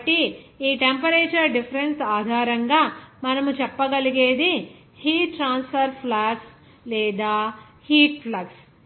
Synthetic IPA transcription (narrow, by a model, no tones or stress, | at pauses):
ɐʈːiiːʈempɐɾeːt͡ʃɐɾɖipʰɐɾensaːd̪ʱaːɾɐŋɡaːmɐnɐmut͡ʃɛpːɐɡɐliɡeːd̪i | hiːʈːɾaːnspʰɐɾpʰlaːks | lɛːd̪aː | hiːʈ̚pʰlɐks